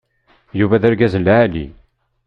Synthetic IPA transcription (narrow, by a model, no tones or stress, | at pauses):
juvæðæɾɡæzəlːæælḭ